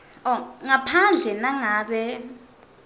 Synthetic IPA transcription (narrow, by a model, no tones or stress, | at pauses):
ɔŋapʰand͡ɮʱɛnaŋaːɓɛ